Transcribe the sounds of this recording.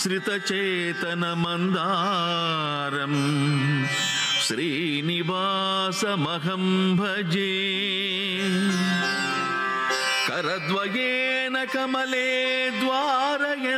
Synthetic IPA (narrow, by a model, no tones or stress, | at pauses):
sɾit̪ɐt͡ʃeː | t̪ɐnɐmɐnd̪a | ɾɐm | ʃɾiː | niʋaː | sɐmɐɡɐmbʱɐd͡ʒeː | kɐɾɐd̪ʋɐjeːnɐkɐmɐleː | d̪ʋaːɾɐjɐ